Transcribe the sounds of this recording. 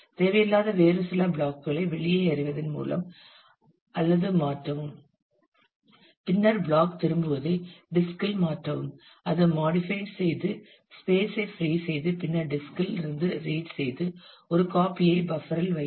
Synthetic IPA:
t̪eːʋɐjɪlːaːðɐʋeːɾɯsɪlaːbɭaːkɯɣɐɭɐɪʋɛɭɪjɐɪɐɾɪʋɐðɪnmṵːlɐ̰m | ɐlːɐðɯmaːʈrɐʋɯm | pɪnːɐɾbɭaːkt̪ɪɾɯmbɯʋɐðɐɪɖɪskɐlmaːʈrɐʋɯm | ɐðɯmaːɽɪfɐɪʈsɛjðɯ | speːsɐɪfɾiːsɛjðɯpɪnːɐɾɖɪskɐlɪɾɯnd̪ɯɾeːʈsɛjðɯ | ɔɾɯkaːpɪjɐɪbɐfɐɾɐlʋɐɪ

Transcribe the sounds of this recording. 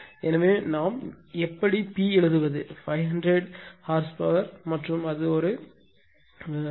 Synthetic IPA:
ɛnɐʋeːnaːm | ɛpːɐɽipiːɛɭɯðɯʋɐðɯfɐɪɦɐndɾɛɽhaːɾspɐːʋɐɾmɐʈrɯmɐðɯɔɾɯ

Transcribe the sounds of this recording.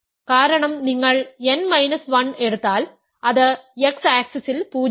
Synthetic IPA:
kaːɾɐɳɐmniŋːɐɭenmɐɪnɐsʋɐneɽɯt̪ːaːl | ɐðɨeksaːksɐsɪlpuː

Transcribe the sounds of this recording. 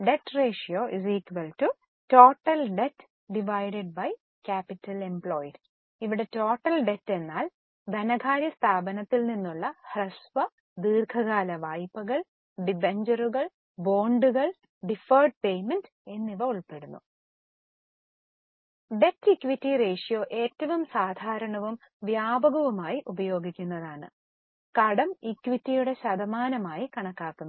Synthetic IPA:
ɖe̞tːre̞ːʂijoːʔisikʲʋɐltu | to̞ːʈːɐlɖetː | ɖiʋajɖeɖ̚bɐj | kaːpitːɐle̞mpɭoːjɖ | iʋiɽe̞to̞ːʈːɐlɖe̞tːe̞nːaːl | d̪ʱɐnɐɡʱaːɾjɐst̪ʰaːbɐnɐt̪ːilninːuɭːɐhrɐsʋɐ | d̪iːrkʰɐɣaːlɐʋaːjpːɐɣɐɭ | ɖibeɲd͡ʑɐruɣɐɭ | bo̞ːɳɖuɣɐɭ | ɖifɐrɖ̚pe̞jmend | e̞nːiʋɐuɭpe̞ɽunːu | ɖetːikːʋitːire̞ːʂijo̞ːʔe̞ːtːɐʋumsaːd̪ʱaːɾɐɳɐʋum | ʋjaːbɐɣɐʋumaːjiʔubɐjo̞ːɡikʲːunːɐðaːɳɨ̰ | kɐɽɐmikːʋitːijuɽe̞ɕɐd̪ɐmaːnɐmaːjikɐɳɐkːaːk̪ːunːɐ

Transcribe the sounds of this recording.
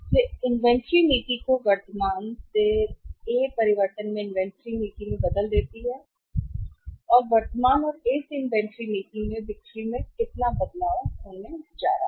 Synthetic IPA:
t̪eːɪnʋɛ̃ːɳʈɾiːmiːʈikoʋəɾt̪əmaːnt̪eːeːpəɾɪʋəɾʈənmẽːɪnʋɛ̃ːɳʈɾiːmiːʈĩmẽbəd̪əld̪eːt̪iɦɛː | ɔːɾʋəɾt̪əmaːnɔːɾɪsɪnʋɛ̃ːɳʈɾiːmiːʈɪ̃ŋɡmẽbɪk̚ʈɾiːmẽkɪt̪naːbəd̪laːʊnẽd͡ʒa̰ːɾa̰ː

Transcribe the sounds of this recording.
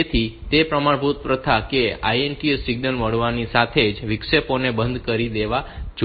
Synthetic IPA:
et̪ʰit̪epɾəmaɽbut̪̚pɾət̪ʰakea̰ienʈiesɪɡ̚nəlməɽʋanisat̪ʰed͡ʒʋɪkʂeponebənd̪ʱkəɾid̪eʋad͡ʒ

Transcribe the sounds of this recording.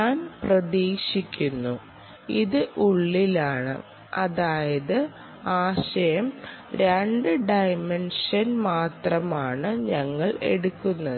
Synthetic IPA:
ɲaːnprɐðeːɕikʲːunːu | iðɨʔuɭːilaːɳɨ̰ | ɐðaːjɐðɨ | aːɕɐjɐm | ɾeɳɖɨɖɐjmenʂɐnmaːt̪rɐmaːɳɨɲɐŋːɐɭe̞̰ɽukːunːɐðɨ

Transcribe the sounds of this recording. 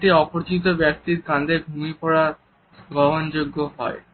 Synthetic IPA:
ʈiɔpoɾt͡ɕit̪̬obɛk̚t̪iɾkãnd̪ebʱumipɔɽa | ɡɔɦond͡ʑoɡːoɦɔ̰e

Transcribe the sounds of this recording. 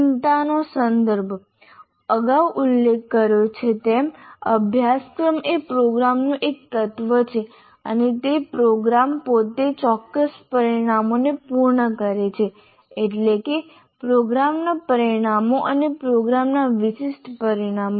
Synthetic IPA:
nt̪anosənd̪əɾbʱ | əɡawʔulːekːəɾjot͡ʃʰet̪eməbʱjaskɾəmepɾoɡɾamnũʔek̚t̪ət̪ʋət͡ʃʰe | ə̰net̪epɾoɡɾampot̪et͡ʃɔkːəspəɾiɽ̃amonepuɾɳəkəɾet͡ʃʰeː | ʈleke | pɾoɡɾamnapəɾiɽ̃amoʔənepɾoɡɾamnaʋɪʃɪʃʈʰpəɾiɽ̃amo

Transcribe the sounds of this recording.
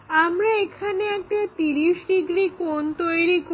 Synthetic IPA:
amɾaekʰaneɛk̚ʈat̪iɾiʃɖiɡɾikont̪ojɾik

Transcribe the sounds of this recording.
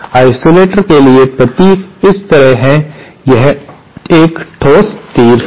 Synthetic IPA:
aːɪsoːleːʈəɾkeliepɾɐpiːkɪst̪ɐɾəɦɦɛ̃jɐɦ | eːkʈʰoːst̪iːɾ

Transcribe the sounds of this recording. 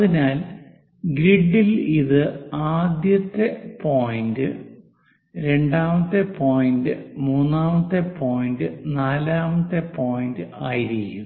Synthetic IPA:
ɐðinaːl | ɡɾiɖːiliðɨaːd̪jɐt̪ːepo̞ːjindɨ | ɾe̞ɳɖaːmɐt̪ːepo̞ːjindɨmuːnːaːmɐt̪ːepo̞ːjindɨnaːlaːmɐt̪ːepo̞ːjindɨaːjiɾikʲːum

